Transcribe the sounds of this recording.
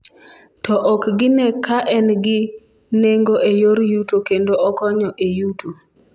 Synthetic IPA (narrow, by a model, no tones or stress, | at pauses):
tɔʔɔkɡɪnɛkaʔɛnɡɪ | neŋɡoʔejoɾjutokendoɔkɔɲɔʔejuto